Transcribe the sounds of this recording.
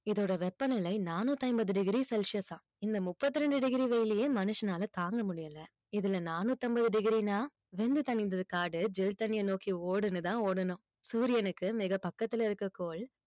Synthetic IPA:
ɪðoːɽɐʋɛpːɐnɐlɐɪnaːnuːt̪ːɐɪmbɐðɯɖɪɣɪɾisɛlʂɪjɐsãː | ɪnd̪ɐmʊpːɐt̪ːɪɾɛɳɖɯɖɪɣɪɾiʋɛjɪlɪjeːmɐnɯʂɐnaːlɐt̪aːŋɡɐmʊɽɪjɐlɐ | ɪðɪlɐnaːnuːt̪ːɔmbɐðɯɖɪɣɪɾinaː | ʋɛnd̪ɯt̪ɐnɪnd̪ɐðɯkaːɽɯd͡ʒɪlt̪ɐnɪjɐnoːkioːɽɯnɯt̪ãːoːɽɐnʊ̃ | suːɾɪjɐnɯkːɯmɪɣɐpɐkːɐt̪ːɪlɐɪɾɯkːɐkoːl

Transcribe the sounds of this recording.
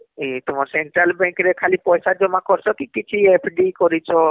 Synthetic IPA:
it̪ɔmɔɾseɳʈɾalbɛ̃ŋkɾekʰalipɔjsad͡ʒomãkɔɾsʰɔkikit͡ʃʰiepʰɖikɔɾit͡ʃʰɔ

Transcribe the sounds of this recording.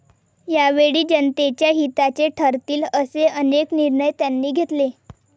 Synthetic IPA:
jaʋeɽiːd͡ʑənt̪et͡ɕjaɦit̪at͡ɕeʈʰəɾt̪iːləseənekniɾɳəjt̪janːiːɡʱet̪le

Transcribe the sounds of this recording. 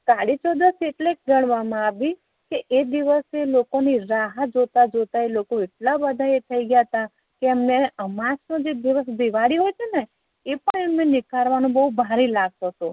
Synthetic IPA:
kaɽit͡ʃod̪əseʈlek̚ɡəɳ̃ʋamãaʋi | keʔed̪iʋəselokoniɾaɦəd͡ʒot̪ad͡ʒot̪aelokoeʈlabəd̪ʱaet̪ʰəiɡjat̪a | keːmneəmãt͡ʃnod͡ʒed̪iʋəsb̪iʋaɽiɦojt͡ʃʰene | epəɳemnenɪkaɾʋanũbəɦubʱaɾilaɡ̚t̪ot̪o

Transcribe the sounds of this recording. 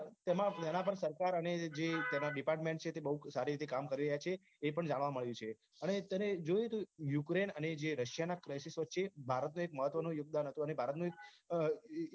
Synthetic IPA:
t̪emãt̪ənapəɾsəɾkaɾəned͡ʒet̪jenaɖipaɾʈmẽɳʈt͡ʃʰet̪ebəɦusaɾiɾit̪ʰekamkəɾiɾəɦjat͡ʃʰeː | pəɳd͡ʒaɽ̃ʋaməɭjũt͡ʃʰe | ənet̪əned͡ʒojet̪ojukɾenəned͡ʒeɾəʃjanakɾajsisʋət̪ːʃebʱaɾət̪nũek̚məɦət̪ʋənũjoɡ̚d̪anɦət̪ũənebʱaɾət̪nũek̚

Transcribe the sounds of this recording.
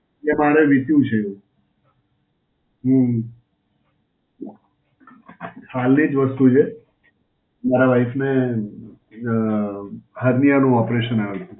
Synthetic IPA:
emaɾeʋit̪jũt͡ʃʰeɦũ | ɦũ | sʰalnid͡ʒʋəst̪ut͡ʃʰe | maɾaʋajfne | ɦəɾnijanũɔpɾeʃənaʋetʰũ

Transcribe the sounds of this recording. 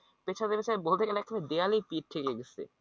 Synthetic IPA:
pet͡ɕʰad̪eɾpet͡ɕʰabolt̪ʰekɛlɛkʰːaned̪ealipiʈ̚ʈʰːekeɡesḛ

